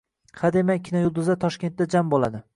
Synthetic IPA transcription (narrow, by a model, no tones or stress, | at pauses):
had̪emakʲʰɪnɒjʊlˠd̪ʊzat̪ʰɒʃkʲe̞nt̪̚ːad͡ʒambolˠa̰d̪ɪ